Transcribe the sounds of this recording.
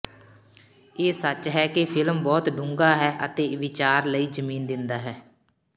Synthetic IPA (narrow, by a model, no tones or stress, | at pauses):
eːsət͡ʃɦɛːkepʰɪlmbɔːt̪ɖʊ̃ŋɡaːɦɛːʔət̪eːʋɪt͡ʃaːɾləiːzəmiːnd̪ɪnd̪aːɦɛː